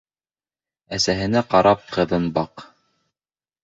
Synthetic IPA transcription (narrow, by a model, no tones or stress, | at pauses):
æsæɦɘ̆næqɑɾɑp̚qɤ̆ðɤnbɑq